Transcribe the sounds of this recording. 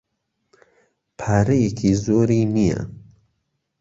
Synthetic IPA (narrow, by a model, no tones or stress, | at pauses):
pʰaːɾɐjekʰizoːɾiːnija̰